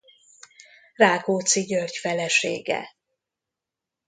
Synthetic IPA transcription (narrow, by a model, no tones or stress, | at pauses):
raːkoːt̪siɟørcfɛlɛʃḛːɡɛ̰